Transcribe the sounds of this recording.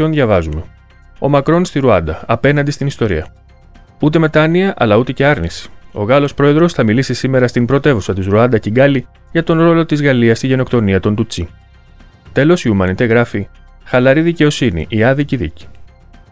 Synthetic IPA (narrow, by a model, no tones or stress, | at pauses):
o̞nðʝɐvɐzume̞ | o̞̰mɐkɾo̞nst̪iɾuɐnd̪ɐɐpe̞nɐnd̪ist̪inist̪o̞ɾḭɐ | ut̪e̞me̞t̪ɐniɐʔɐ̰lɐut̪e̞ce̞ɐɾnisi̥o̞̰ɣɐlo̞spɾo̞e̞ðɾo̞sθɐmilisisime̞ɾɐst̪imbɾo̞t̪e̞vusɐt̪izɾuɐnd̪ɐciɡɐli | ʝɐt̪o̞nɾo̞lo̞t̪izɣɐliɐst̪iʝe̞no̞kt̪o̞niɐt̪o̞nt̪ut͡si | t̪e̞lo̞siumɐnit̪e̞ɣɾɐfi | xɐlɐɾiðice̞o̞sinḭʔiɐðiciðḭci̥